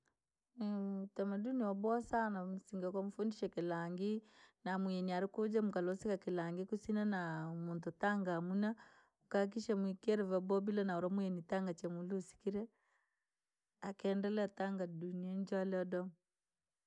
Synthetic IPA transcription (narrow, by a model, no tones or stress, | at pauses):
tamaduniɔbɔsanamusiŋɡakamufundiʃɛkilaŋɡinamuɛniaɾikud͡ʒamukalɔsikakilaŋɡikusinanamuntutaŋɡamuna | ukak̬iʃamikɛɾɛvabɔbilanauɾamuɛnitaŋɡat͡ʃamulusi̥kiɾɛ | akɛndɛlɛataŋɡaduniaɲd͡ʒalɛɔdɔm